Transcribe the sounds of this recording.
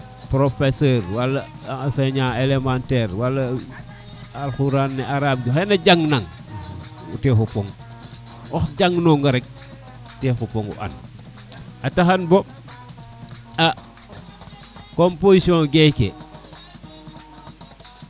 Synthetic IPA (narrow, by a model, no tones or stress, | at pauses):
pɾofeseɾwalːa | seɲaelemanteɾwalːa | alxuɾanːeaɾab̚d͡ʒoxenaɟaŋnaŋ | ṵtexupoŋ | ɔxɟaŋnoŋɡaɾek̚ | texupoŋṵʔa̰n | ataxanbo | a | kompoisiõɡekḛ